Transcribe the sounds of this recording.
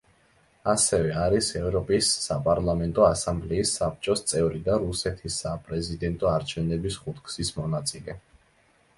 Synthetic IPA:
asɛvɛaɾisɛvɾɔpʼisːapʼaɾlˠamɛnt̪ʼɔasambliːsːap̚ʰt͡ʃʼɔst̪sʼɛvɾid̪aɾusɛt̪ʰisːapʼɾɛzid̪ɛnt̪ʼɔaɾt͡ʃʰɛvnɛbisχut̪ʰkʼʰsismɔnat̪sʼilɛ

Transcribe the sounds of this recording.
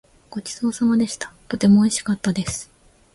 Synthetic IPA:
ɡ̥o̞t͡ɕi̥soːsamad̪e̞ɕi̥t̪ḁt̪o̞t̪e̞mo̞ːiɕi̥kat̪ːad̪e̞sɨ̥

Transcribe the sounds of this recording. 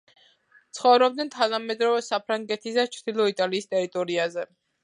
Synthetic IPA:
t̪sʰχɔvɾɔb̚d̪nɛnt̪ʰanamɛd̪ɾɔvɛsapʰɾaŋɡɛt̪ʰisd̪at͡ʃʰɾd̪̥ilˠɔit̪ʼaliːst̪ʼɛɾit̪ʼɔɾiazɛ

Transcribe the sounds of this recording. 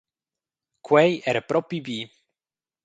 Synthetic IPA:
kʰwɛjɛɾpɾɔpibi

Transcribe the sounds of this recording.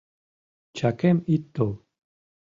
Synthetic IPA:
t͡ʃʰakʰemit̪ːo

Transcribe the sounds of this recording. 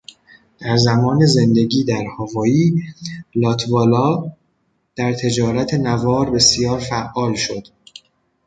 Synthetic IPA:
d̪̥æɾzæmɒːneze̞nd̪e̞ɟiːd̪æɾhɒvɒːiː | lɒːt̪ʰvɒːlɒː | d̪̥æɾt̪ʰe̞d͡ʒɒːɾæt̪ʰe̞nævɒːɾbe̞sijɒːɾfæʔɒːlʃo̞d̪̥

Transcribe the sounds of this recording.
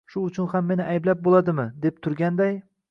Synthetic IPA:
ʃʊʊt͡ʃʰʊnhamːe̞nɪʔajblap̚bolˠad̪ɪmɪd̪e̞p̚t̪ʰʊɾɡʲand̪aj

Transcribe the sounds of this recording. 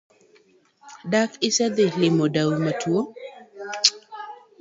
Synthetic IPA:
dakɪsɛd̪ɪlɪmɔdawimatʰuo

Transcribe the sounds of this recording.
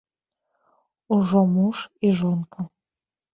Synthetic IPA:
uʒomuʃiʒonkɤ̆

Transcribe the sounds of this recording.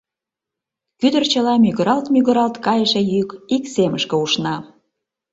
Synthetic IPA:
kyd̪ərt͡ɕəlɑmyɣəɾɑlt̪myɣəɾɑlt̪kɑjəʃĕjykikseməʃkə̆uʃnɑ

